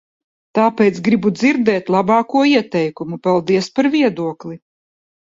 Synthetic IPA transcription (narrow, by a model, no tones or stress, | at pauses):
t̪aːpɛːt̪sɡɾibud̪ziɾd̪ɛːt̪lˠabɑːkuɔiɛt̪ɛjkumupalˠd̪iɛspaɾviɛd̪uɔklˠi